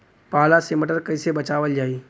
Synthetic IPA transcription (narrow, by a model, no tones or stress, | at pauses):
paːlaseməʈəɾkəɪsebət͡ʃaːʋəld͡ʒaːi